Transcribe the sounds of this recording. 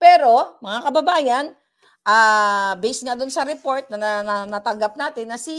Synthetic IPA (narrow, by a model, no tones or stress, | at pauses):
pɛːɾo̞mɐŋakɐbɐbaːjɐn | ʔaːbɛjsŋɐd̪ʊnsɐɾɛpo̞ɹt̪̚nɐnɐnanat̪ɐŋɡap̚naːt̪ɪnːɐsi